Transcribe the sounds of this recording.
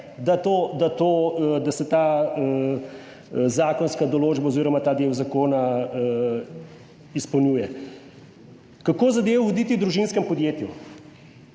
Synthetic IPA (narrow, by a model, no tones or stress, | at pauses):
d̪at̪oːd̪at̪oːd̪asɛt̪aː | zaːkɔnskad̪ɔloːd͡ʒbaoziːɾɔmat̪aːd̪eːwzakoːnaə | ispɐwnʲjuːjɛ | kakoːzɐd̪eːwud̪iːt̪iwd̪ɾuʒinskɛmpɔd̪jeːt̪ju